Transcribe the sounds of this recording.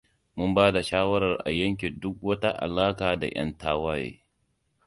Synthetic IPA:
mʊ˦mbaː˦da˨ʃaː˦wɐ˦ɾɐ˨rʔa̰˨jɐ˦ŋk̬ʲe˨dʊ˦k̚wɐ˦ta˦ʔa̰˨laː˦kaː˨da̰˨j̰ɐ̰˦ntaː˦waː˦jḛː˦

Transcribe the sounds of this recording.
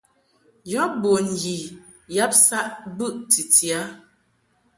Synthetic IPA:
jɔ˦bo˨n̩˨ɡi˨ | ja˦p̚sa˦ʔbʉ˦ʔti˨ti˨a˨˦

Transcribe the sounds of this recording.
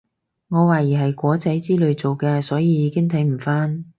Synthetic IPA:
ŋɔː˨˧waː˨jiː˨˩ɦɐ˨jkʷɔː˨˥t͡sɐ˨˥jt͡siː˥lɵ˨˧ɥt͡so˨wkɛː˧sɔː˨˥jiː˨˧jiː˨˧˥kɪ˥ŋt̪ʰɐ˨˥jm̩˨˩faː˥n

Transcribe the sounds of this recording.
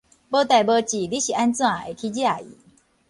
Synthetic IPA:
bə˥˦t̪a˧˩jbə˧t͡ɕi˨˩li˦ɕi˨ʔa˧nt͡sɨ˥˦a˨ʔḛ˨˩kʰi˧d͡ʑi˦a˨ḭ˨˦

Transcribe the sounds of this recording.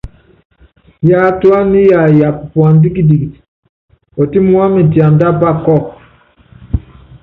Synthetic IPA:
ja˨˦tu˦a˦ni˦ja˨ja˨ppwa˨n˦di˦ki˦di˨ɡi˨ | ɔ˨ti˦mu˦a˦mi˨ti˨a˨nda˦pa˦˨kɔ˦˨k

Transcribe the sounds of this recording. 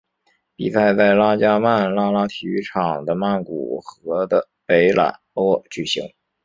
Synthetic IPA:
pḭ˨˩sa˥˧ɪt͡sa˥˩ɪla˥t͡ɕja˥ma˥˩nla˥la˥t̪ʰy˧˥ʈ͡ʂʰɑ˨˩ŋd̪ə˦ma˥˩nku˨˩xɤ˧˥d̪ə˧ | pe˧˥ɪla̰˨˩nɔ˥t͡ɕy˨˩ɕḭ˧˥ŋ

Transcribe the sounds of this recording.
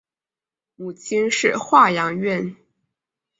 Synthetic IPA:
u˨˩t͡ɕi˥ŋʂɻ̩˥˧xwa˥˩jɑ˧˥ŋɥɛ˥˩n

